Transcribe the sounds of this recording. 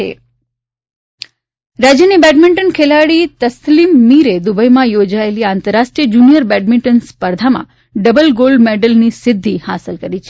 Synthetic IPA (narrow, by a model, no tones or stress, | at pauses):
ḛ | ɾad͡ʒjənibɛɖmɪɳʈənkʰelaɽit̪əslimːiɾed̪ubəjmãjod͡ʒaeliãːnt̪əɾːaʃʈɾijəd͡ʒunijəɾbɛɖ̚mɪɳʈənspəɾd̪ʱamã̰ | ɖəbəlɡolɖmeɖəlnisɪd̪ʱːiha̰səlkəɾit͡ʃʰe